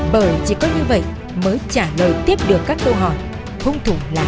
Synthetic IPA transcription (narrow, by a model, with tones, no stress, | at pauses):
ɓəː˧˩jt͡ɕi˧˩kɔ˨˦ɲɨ˧və̰˧˨j | məː˨˦jt͡ɕaː˧˩ləː˨˩jt̪i˦˥əp̚ɗɨ˨˩əkːaː˦˥kːə˧wɦɔ̰˧˩˨j | hʰʊ˧wŋ͡mt̪ʰu˧˩la̰ː˨˩